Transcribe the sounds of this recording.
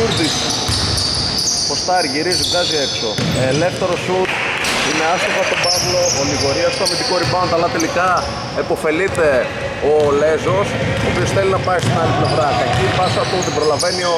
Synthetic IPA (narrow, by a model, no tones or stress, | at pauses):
uɾðis | post̪ɐɾʝiɾizuɡɐziekso̞ː | le̞ft̪e̞ɾo̞sut̪ | ine̞ɐst̪ovɐt̪obɐvlo̞oliɣo̞ɾiɐst̪omit̪ikoɾipɐnot̪ɐlɐt̪e̞likɐ | epo̞fe̞lit̪e̞ | ole̞zo̞sopio̞sθe̞linɐpɐist̪inɐliplevɾɐkɐcipɐsɐt̪out̪ibɾo̞lɐve̞nio